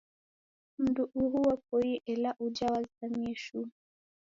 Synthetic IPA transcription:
m̩duʔuhuwap̚ɔjiʔɛlaʔud͡ʒawazisamiɛʃu

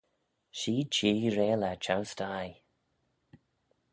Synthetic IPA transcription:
ʃiːt͡ʃiːɹeːlat͡ʃʰawstaj

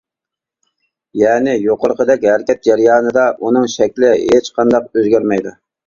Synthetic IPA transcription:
jɛːnɪjoqəɾqəd̪ɛkʲhæɾkʲɛt̪̚d͡ʒæɾjɑːnɨd̪ɑʔunɨŋʃɛkʲlɪɦet͡ʃqʰɑnd̪ɑqøzɡʲæɾmɛjd̪u

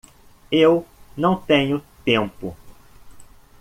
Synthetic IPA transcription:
ewnɐ̃w̃t̪ẽɲʊt̪ẽmpʊ

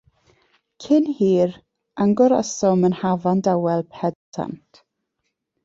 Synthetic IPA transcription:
kʰɪnhiːɾ | aŋɡɔɾəsɔmənhavandawɛlˠpʰɛtʰa̰ntʰ

